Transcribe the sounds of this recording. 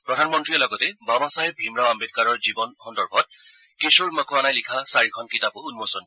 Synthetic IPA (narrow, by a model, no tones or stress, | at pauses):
pɹɔdʱanmɔntɹijɔlɔɡɔtɛbabasajɛbʱimɹaambet̚kaɹɔɹzibɔnxɔndɔɹbʱɔt̚ | kesoɹmakoanajlikʰasaɹikʰɔnkitapʊunmosɔn